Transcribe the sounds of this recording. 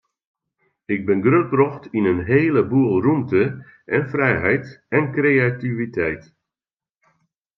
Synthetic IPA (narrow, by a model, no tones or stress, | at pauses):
ɪɡ̚bɪnɡrøt̚brɔxtinənɦeːləbuəlˠrumtə | ʔɛnfrɛjɦɛjtɛnkrejativitʰɛjt